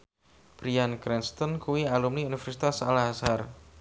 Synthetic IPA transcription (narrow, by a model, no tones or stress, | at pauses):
b̥ɾiankɾɛnst̪ɔnkuwialumniunifɛrsi̥t̪asalaɦasar